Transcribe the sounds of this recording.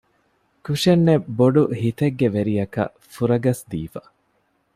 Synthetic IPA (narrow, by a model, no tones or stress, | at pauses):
kuʂenːeboɖuhit̪eɡːeʋeɾijɐkɐ̰ | fuɾɐɡɐsd̪iːfɐ